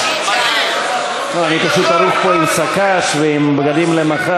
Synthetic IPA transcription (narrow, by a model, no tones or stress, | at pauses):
oanipaʃut̪aɾuχpo̞imsakaʃveimbɡad̪imlemaχa